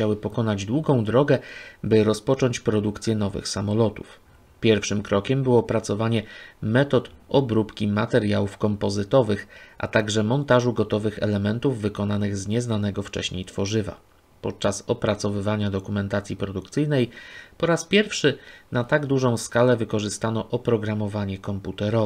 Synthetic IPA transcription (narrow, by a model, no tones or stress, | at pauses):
t͡ɕawɘpɔkɔnad͡ʑd̪wuɡɔ̃w̃d̪ɾɔɡɛbɘɾɔspɔt͡ʂɔɲt͡ɕpɾɔd̪ukt̪sʲjɛnɔvɘ̰xsamɔlɔt̪ṵf | pʲjɛɾfʂɘmkɾɔkʲɛmbɘwɔpɾat̪sɔvaɲɛmɛt̪ɔt̪ʔɔbɾupkʲimat̪ɛɾjawufkɔmpɔzɘt̪ɔvɘxʔa̰t̪aɡʐɛmɔnt̪aʐuɡɔt̪ɔvɘxɛ̰lɛmɛnt̪uvːɘkɔnanɘɣzɲɛznanɛɡɔft͡ʂɛ̰ɕɲḛjt̪fɔʐɘva̰ | pɔt̪̚t͡ʂasɔpɾat̪sɔvɘvaɲad̪ɔkumɛnt̪at̪sʲjipɾɔd̪ukt̪sɘjnɛjpɔɾaspʲjɛɾfʂɘnat̪aɡd̪uʐɔ̃w̃skalɛvɘkɔʐɘst̪anɔʔɔpɾɔɡɾamɔvaɲɛkɔmput̪ɛɾɔ